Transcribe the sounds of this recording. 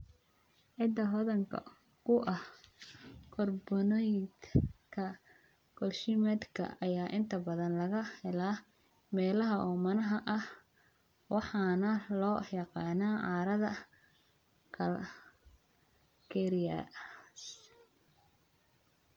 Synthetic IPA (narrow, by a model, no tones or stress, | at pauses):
ʕɪd̪ːɐɦɔðɐŋkʰɐ̰ | kʰʊʔɐh | kʰɔrbɔnɔjd̪kʰɐ | ɡ̥ɔlʃɪmɛd̪kʰɐ̰ɐjaːʔɪnt̪ʰɐbɐðɐnlɐɣɐhɛlaː | mɛːlɐɦɐʔɔːmɐnɐɦɐʔɐh | wʔɑħɑːnɐlɔːjɑqɑːnaːʕɑːɾɐðɐ | kʰɐl | kʰɛɾɪɐ̰s